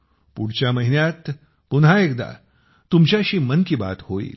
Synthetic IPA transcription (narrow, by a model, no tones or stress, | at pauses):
puɽ̤t͡ɕjaməɦinjat̪ | punɦaekd̪a̰ | t̪umt͡ɕjaɕiːmənkiːba̰t̪hoḭːl